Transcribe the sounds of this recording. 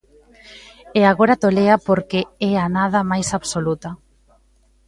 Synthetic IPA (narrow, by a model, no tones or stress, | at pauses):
eaɣoɾat̪oleapoɾkeɛanaðɐmajsaβsolut̪a